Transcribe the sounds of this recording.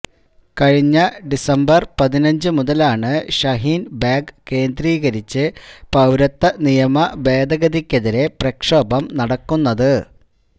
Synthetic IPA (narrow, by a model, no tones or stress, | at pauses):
kɐɻiɲːɐɖisɐmbɐrpɐðinɐɲd͡ʑɨmuðɐlaːɳɨɕɐɦiːnbaːɡke̞ːnd̪riːɣɐɾit͡ɕːɨpɐwɾɐt̪ːɐnijɐmɐbe̞ːd̪ɐɣɐðikʲːɐðiɾe̞prɐkʂoːbɐmnɐɽɐkːunːɐðɨ